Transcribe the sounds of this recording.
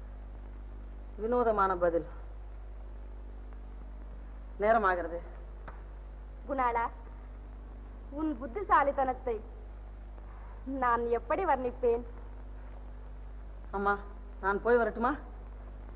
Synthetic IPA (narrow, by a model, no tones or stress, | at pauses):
ʋɪnoːðɐmaːnɐbɐðɪl | neːɾɐmaːɣɪɾɐðɯ | ɡʊnaːlaː | ʊnbʊd̪ːisaːlit̪ɐnɐt̪ːɐɪ | naːnɛpːɐɽiʋɐɾnɪpːeːn | amːaː | naːnpoːjʋɐɾɯʈːɯmaː